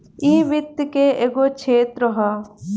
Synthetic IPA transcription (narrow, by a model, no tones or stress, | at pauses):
iːʋɪt̪jkeeɡot͡ʃʰeːt̪ɾəɦa